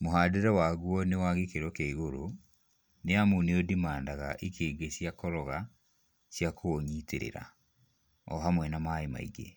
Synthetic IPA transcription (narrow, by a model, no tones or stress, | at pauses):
moɦaːdeɾɛwaːɣwɔnewaɣekeɾwɔkeiɣoɾo | neamuneodimaːndaɣaʔikʰeːɡeɕjakɔɾɔɣa | ɕjakʰoːɲitḛɾḛɾa̰ | ɔ̰ɦamwɛnamaema̰ḭɡḛ